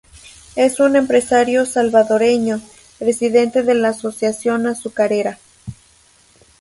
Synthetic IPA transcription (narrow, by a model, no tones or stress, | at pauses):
e̞sune̞mpɾe̞saɾjo̞salβaðo̞ɾe̞ɲo̞ | pɾe̞siðe̞nt̪e̞ðe̞laːso̞sjasjo̞nasukaɾeɾa